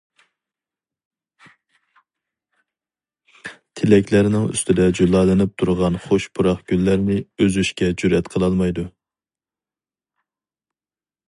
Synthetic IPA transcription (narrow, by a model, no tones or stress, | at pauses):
t̪ʰɪlɛkʲʰlæɾɪnɪŋy̰st̪ʰɪd̪ɛd͡ʒulˠɑːlɪnɪp̚t̪ʰuɾʁɑnχoʃpʰuɾɑχɡ̥ʲylːæɾnɪøzyʃkʲɛd͡ʒyɾɛt̪qʰəlˠɑlˠmɑjd̪u